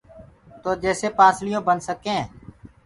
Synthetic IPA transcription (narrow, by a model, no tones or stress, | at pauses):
t̪oːd͡ʒɛːseːpaːslɪjõːbənsəkẽː